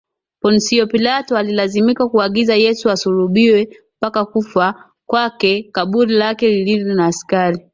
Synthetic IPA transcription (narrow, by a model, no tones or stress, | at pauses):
pɔnsiɔpilatɔalilazimikakuaɠizajɛsuasuɾuɓiwɛ | pakakufa | kwakɛkaɓuɾilakɛlililɔnaːskaɾi